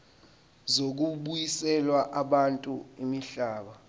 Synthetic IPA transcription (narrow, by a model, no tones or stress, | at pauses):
zok̬uɓujisɛlwaʔaɓantʼuimiɬaːɓa